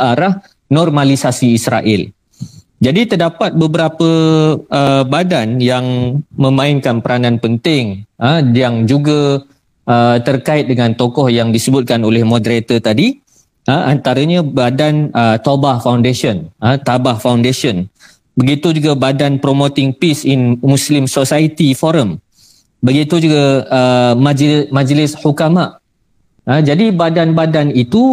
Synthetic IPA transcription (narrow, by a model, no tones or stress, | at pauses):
aɾah | nɔrmãlisasiːsɾa̰ʔɪl | d͡ʒadit̪ərdapat̪̚bəbəɾapəəbadanjaŋmə̃mãɪnkanpəɾanãnpənt̪ɪŋəjaŋd͡ʒuɡa | ət̪ərkaɪt̪̚dəŋãnt̪okɔhjaŋdisəbʊt̪̚kanolɛhmɔ̃dɾet̪ət̪adi | ʔəʔant̪aɾəɲãbadanət̪obahfawndeʃənət̪abahfawndeʃən | bəɡit̪ud͡ʒuɡabadanpɾomot̪ɪŋpisinmũslɪmsosait̪ifɔɾəm | bəɡit̪ud͡ʒuɡaəmãd͡ʒmãd͡ʒlɪshukamaʔ | əd͡ʒadibadanbadanit̪u